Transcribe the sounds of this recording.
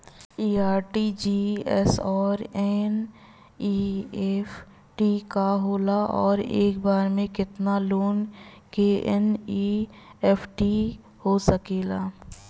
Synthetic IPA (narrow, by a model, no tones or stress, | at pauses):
iːaːɾʈid͡ʒiːɛ̰sɔːɾɛn | iːɛf | ʈikaɦoːlaʔɔːɾḛːkbaːɾmẽkɪt̪naloːn | keʔɛniɛːpʰʈi | hosəkeːlaː